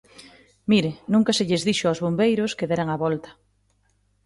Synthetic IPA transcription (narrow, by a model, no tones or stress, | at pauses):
miɾɪnũŋkɐseʎezðiʃoawzβombejɾoskeðɛɾaŋaβɔlt̪ɐ̥